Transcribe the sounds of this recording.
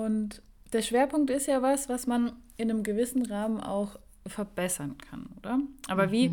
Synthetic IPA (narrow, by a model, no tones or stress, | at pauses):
ʔʊnt | d̥eːɐʃv̥eːɐpʊŋktɪstjaːvasv̥asman | ɪnəmɡəvɪsn̩ʁaːmənʔa̰ʊx | fɛɐbɛsɐnkʰa̰nʔoːdɐʔaːbɐviː